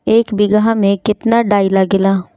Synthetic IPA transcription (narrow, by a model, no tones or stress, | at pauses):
eːkbɪɡɦãːmẽːkɪt̪naːɖaːiːlaːɡɪlaː